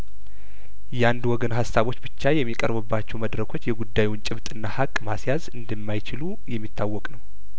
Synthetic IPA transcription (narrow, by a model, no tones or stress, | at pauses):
jɛand̪wɔɡənɦasːaβo̞t͡ʃːbɨt͡ʃːajɛmːikʼəɾbɨbːat͡ʃːɛwməd̪ɾəkʰo̞t͡ʃːjɛɡud̪ːajwnt͡ʃʼɪβt̪ʼɨnːahakʼːmasjazɨnd̪ɨmːajt͡ʃɪlu | jɛmːit̪ːawːɔkʼnəw